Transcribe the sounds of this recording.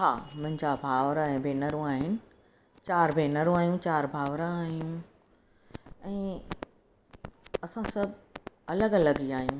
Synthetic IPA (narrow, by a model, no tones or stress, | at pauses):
ɦaːmʊ̃ɦɪ̃ɲd͡ʑabʱaːʋɾãɛ̃ːbʱeːnəɾũaːɦɪnɪ̆ | t͡ɕaːɾbʱeːnəɾũaːɦijũt͡ɕaːɾbʱaːʋɾãaːɦijũ | ɛ̃ː | ɐsãsɐbʱɐləɡɐləɡiaːɦijũː